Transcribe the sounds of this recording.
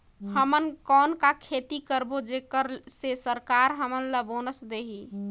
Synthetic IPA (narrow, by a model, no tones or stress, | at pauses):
həmənkɔːnkakʰet̪ikəɾbod͡ʒekəɾsesəɾkaɾɦəmənləbonəsd̪eɦi